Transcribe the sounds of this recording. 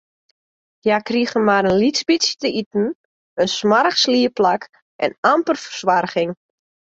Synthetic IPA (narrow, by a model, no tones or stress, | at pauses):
jakriəɣənmaɾənlisbisjətəitn̩ | ənsmaɾəxsliːəplak | ʔɛ̰nampərfərswarɣɪŋ